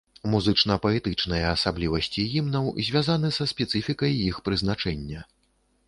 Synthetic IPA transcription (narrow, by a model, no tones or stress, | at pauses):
muzɨt͡ʂnɐpɐɛt̪ɨt͡ʂnɐjɐːsablʲivɐsʲt͡sʲijimnɐwzʲvʲazan̪ɨsɐspʲɛt̪sɨfʲikɐjːixpɾɨznat͡ʂɛnʲːɐ